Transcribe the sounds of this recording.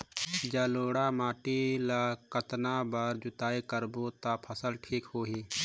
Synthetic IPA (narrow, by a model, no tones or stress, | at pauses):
d͡ʒaloːɽamaːʈilakət̪nabaɾd͡ʒʊt̪aːekəɾbot̪apʰəsəlʈʰiːkɦoːɦiː